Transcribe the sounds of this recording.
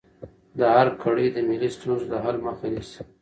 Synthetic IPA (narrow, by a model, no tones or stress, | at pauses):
d̪aɦaɾkʰaɽid̪əmilist̪unzd̪əɦalməxanis